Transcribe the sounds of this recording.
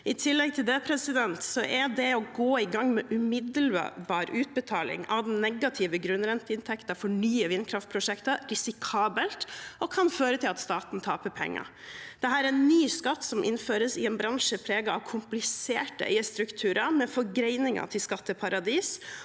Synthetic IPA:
ɪt̪ʰɪlːɛɡ̚t̪ʰɪld̪epʰɾɛsɪd̪ɛnt̪sɔʔæɖ̪ɛɔɡoːɪɡɑŋːmɛʔʉmɪd̪əl̰bɑːɾʉːt̪̚bət̪ʰɑːlɪ̰ŋɑʋd̪ɛnnːɛɡɑt̪ʰɪːʋəɡɾʉnɾɛnt̪əɪnt̪ʰɛkt̪ɑfɔɳyːəʋɪnːkʰɾɑft̪pʰɾʊʂɛkt̪əɾɪsɪkʰɑːbəlt̪ɔkʰɑnføːɾət̪ʰɪlɑt̪st̪ɑːt̪n̩t̪ʰɑːpəɾpʰɛ̰ŋːɑ̰ɾ | d̪̥ɛɦæːɾæɛnːyːskɑt̪ːsɔmʔɪ̰nføːɾəsɪɛnbɾɑŋʂəpʰɾeːɡɑɑʋkʰʊmplɪseːʈə̰ʔɛ̰ɪəst̪ɾʉkt̪ʰʉːɾəmɛfɔɾɡɾɛɪnɪŋɑ̰t̪ʰɪlskɑt̪ːəpʰɑɾɑd̪iːs

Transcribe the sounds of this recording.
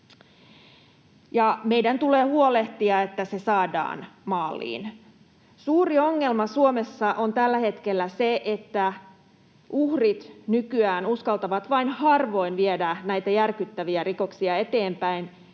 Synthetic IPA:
jɑme̞ijdænt̪uleːhuole̞ht̪iɑe̞t̪ːæse̞sɑːdɑ̰ːnmɑːlːḭːn | suːrio̞ŋːe̞lmɑsuomesːɑʔont̪ælːæhe̞t̪kelːæseʔet̪ːæ | ʔuhrit̪nykyæːnuskɑlt̪ɑʋɑt̪ʋɑinhɑrʋo̞jnʋiedænæjt̪æjærkyt̪ːæʋiæriko̞ksiɑe̞t̪e̞ːmpæin

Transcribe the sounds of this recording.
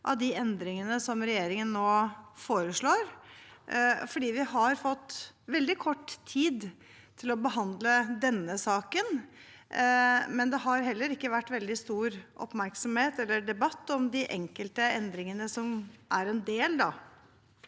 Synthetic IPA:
ʔɑ̰ʋd̪ɪɛnd̪ɾɪŋənəsɔmɾɛjeːɾɪŋənːoːfoːɾəʂɭoːɾ | fɔɖiːʋɪhɑɾfɔt̪ːʋɛld̪ɪkʰɔʈːt̪ʰiːd̪ | t̪ʰɪlɔbəɦɑnd̪ləd̪ɛnːəsɑːkən | mɛnd̪ɛɦɑɾɦɛlːəɾɪkːəʋæʈːʋɛld̪ɪst̪uːɾʔɔ̰pmæɾksɔmheːt̪ɛlːəɖɛbɑt̪ːɔmd̪ɪʔɛŋkəlt̪əɛnd̪ɾɪŋənəsɔmʔæɾɛnd̪eːld̪ɑ

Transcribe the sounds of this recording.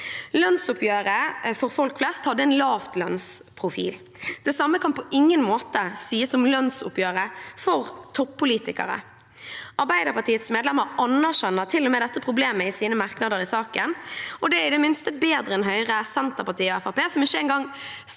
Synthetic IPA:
lœnsʊpʰjøːɾəfɔɾfɔlkflɛst̪hɑd̪ːəɛɪnlɑːft̪lœnspʰʁʊfḭːl | d̪̥ɛsɑmːəkʰɑnpɔʔɪŋːənmoːt̪əsiːəsɔmlœnsʊpjøːʁəfɔɾt̪ʰɔpʰːʊliːt̪ɪkə̰ɾə̰ | ʔɑɾbæɪd̪əpɑʈ̪ʰiːət̪smeːd̪lɛməɾɑnəʁʃɛnːət̪ʰɪlːɔmeːd̪ɛt̪ːəpʰʁʊbleːməɪsiːnəmɑʁknɑd̪əɾɪsɑːkənɔd̪ɛæɾɪd̪ɛmɪnst̪əbeːd̪ɾəɛnɦœʏʁəsɛnt̪əpɑt̪iːɔæfɑpeːsɔmɪçːəɛnɡɑŋ

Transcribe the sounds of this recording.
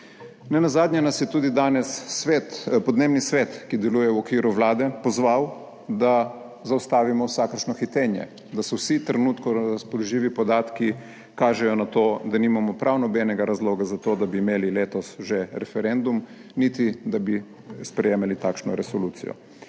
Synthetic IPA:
nɛnazaːd̪ɲɛnasjɛt̪uːd̪id̪aːnɛsːʋeːt̪pɔd̪neːbnisʋeːt̪kid̪ɛluːjɛwɔkʋiːɾuʋlaːd̪ɛpɔzʋaw | d̪a | zawst̪aːʋimɔwsakəɾʃnɔxit̪eːnjɛ̰ | d̪asɔwsit̪ɾɛnuːt̪kɔɾaspɔlɔʒiːʋipɔd̪aːt̪ki | kaːʒɛjɔnat̪oːd̪aniːmamɔpɾʔawnɔbɛnɛɡaɾazloːɡazat̪oːd̪abiːmeːlileːt̪ɔsʒeɾɛfɛɾend̪umnit̪id̪abi | spɾɛjeːmalit̪aːkʃnɔ̰ɾɛsɔluːsḭjɔ̰

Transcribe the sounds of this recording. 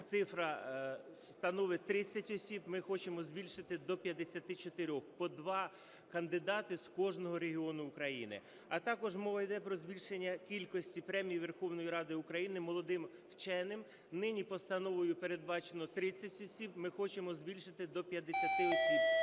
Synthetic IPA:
t̪sɪfɾɐst̪ɐnɔʋɪt̪ɾɪt͡sʲːɐtʲɔsʲibmɪxɔt͡ʃemɔzʲbʲilʲʃɪt̪ɪd̪ɔpʲjɐd̪esʲɐt̪ɪt͡ʃɔt̪eɾʲɔxpɔd̪ʋɑ | kɐnd̪ɪd̪ɑt̪ɪskɔʒnɔɦɔɾeɦʲiɔnʊːkɾɐjḭnɪ̰ | ɐt̪ɑkɔʒmɔʋɐjd̪ɛpɾɔzʲbʲilʲʃenʲːɐkʲilʲkɔsʲtʲipɾɛmʲijiʋe̞rxɔwnɔjiɾɑd̪ɪʊkɾɐjinɪmɔlˠɔd̪ɪmwt͡ʃɛnɪm | nɪnʲipɔst̪ɐnɔʋɔjʊpeɾed̪̚bɑt͡ʃenɔt̪ɾɪt͡sʲːɐtʲɔsʲibmɪxɔt͡ʃemɔzʲbʲilʲʃɪt̪ɪd̪ɔpʲjɐd̪esʲɐt̪ɪɔsʲib

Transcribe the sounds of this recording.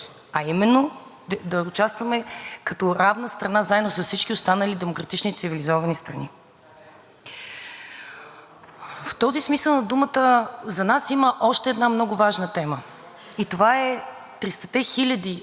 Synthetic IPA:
ɐimɛnːo | d̪ɐʊt͡ʃast̪vəmɛkɐt̪ɔɾavnəst̪ɾɐnazaɛd̪nosəfsit͡ʃkiʊst̪anəlid̪ɛmokɾɐt̪it͡ʃnit̪sivilizɔvɐnist̪ɾɐni | ft̪ɔzismisəlˠnɐd̪umət̪əzɐnasiməʔɔʃt̪ɛːd̪namnɔɡʊvaʒnət̪ɛmə | it̪ovaɛ | t̪ɾist̪ɐ̥t̪ɛxilʲəd̪i

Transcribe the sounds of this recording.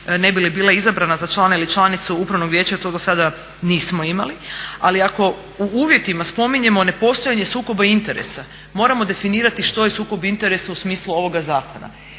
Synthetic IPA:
ne̞bilibiːlˠaizabɾanazat͡ʃlˠanailit͡ʃlˠanit̪suupɾaʋnoɡʋje̞ːt͡ʃaot̪oɡasad̪a | niːsmo̞imalia̰liako̞ | uuːʋje̞t̪imaspo̞miɲe̞mo̞ne̞po̞st̪ojaɲe̞suːko̞baint̪e̞ɾe̞̰sa | mo̞ːɾamo̞d̪e̞finiːɾat̪iʃt̪o̞jesuːko̞bint̪e̞ɾe̞sausmiːsluo̞ʋo̞ɡazaːko̞na̰

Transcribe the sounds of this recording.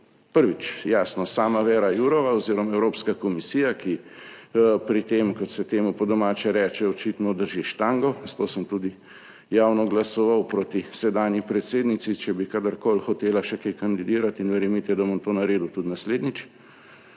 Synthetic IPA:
pəɾʋit͡ʃjaːsnɔsaːmaʋɛːɾajuɾɔʋaoziːɾɔmaɛwɾoːpskakɔmisiːjaki | pɾit̪eːmkɔt̪sɛt̪eːmupɔd̪ɔmaːt͡ʃɛɾɛːt͡ʃɛɔt͡ʃit̪nɔd̪əɾʒiʃt̪aŋɡɔz̥at̪oːsəmt̪ud̪i | jaːwnɔɡlasɔʋawpɾoːt̪isɛd̪aːnjipɾɛt̪seːd̪nit̪sit͡ʃɛbikad̪əɾkoːlxɔt̪eːlaʃɛkejkɐnd̪id̪iːɾat̪inʋɛɾɛmit̪ɛd̪amɔmt̪oːnaɾeːd̪ut̪ut̪nasleːd̪nit͡ʃ

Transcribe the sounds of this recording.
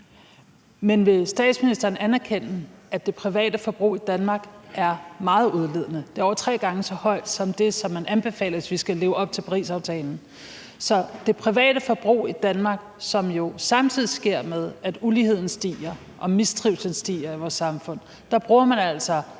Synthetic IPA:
menʋe̝sd̥ɛ̰ːd̥sminisd̥ɐːnænæɐkʰen̰n̩æd̥e̝pʰʁiʋɛ̰ːd̥əfɒ̽b̥ʁṵːid̥ænmɑ̈ːɡ̥ʔæɐmɑ̈ːð̞̩ˠuð̞ˠle̝ð̰ˠnəd̥e̝ɐɒʊɐt͡sʰʁɛ̰ːɡ̥ɑ̈ŋəsɒ̽hɒ̽ɪ̰d̥sɒ̽md̥e̝sɒ̽mːænʔænb̥e̝fɛ̰ːlɐʋe̝sʋisɡ̥æle̝ːʊɒ̽b̥̚t͡sʰe̝pʰɑ̈ʁḭːsɑ̈ʊt͡sʰɛ̰ːln̩ | sɒ̽d̥e̝pʰʁiʋɛ̰ːd̥əfɒ̽b̥ʁṵːid̥ænmɑ̈ːɡ̥sɒ̽mjo̝sɑ̈mt͡sʰið̞̰ˠisɡ̥e̝ɐ̰með̞ˠæd̥uliːhe̝ð̞̰ˠn̩sd̥ḭːɐ | ʔɒ̽misd̥ʁiʊsənsd̥ḭːɐiʋɒːsːɑ̈mfɔ̽n̰ | d̥ɑ̈b̥ʁuːɐmænæl̰sɒ̽

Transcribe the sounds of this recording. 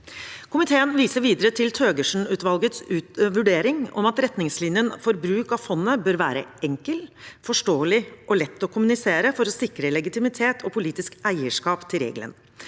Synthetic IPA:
kʰʊmɪt̪ʰeːənʋiːsəɾʋiːd̪əɾət̪ʰɪlt̪ʰøːɡəʂn̩ʉːt̪ʋɑlɡət̪sʉːt̪ʋʉɖeːɾɪŋɔ̰mɑt̪ɾɛt̪nɪŋslɪnjənfɔɾbɾʉːkɑʋfɔnːəbøːɾʋæ̰ːɾə̰ɛŋkəlfɔʂʈoːəlɪʔɔlɛt̪ːɔkʰʊmʉnɪseːɾəfɔɾɔsɪkɾəlɛɡɪt̪ɪmɪt̪ʰeːt̪ʰɔpʰʊliːt̪ɪskæɪəʂkɑːpt̪ʰɪlɾḛːɡlə̰n

